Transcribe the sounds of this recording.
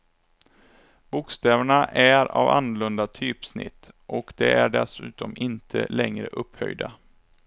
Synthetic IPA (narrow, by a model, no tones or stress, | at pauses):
b̥ʊkst̪ɛːvəɳaʔæɾa̰ːvanːʊlɵnd̪at̪ʰyːpsnɪ̰t̪ːʔɔkd̪ɛæɖɛsʉ̟ːt̪ɔmɪnt̪ʰəlɛŋɾəʔɵphœjd̪a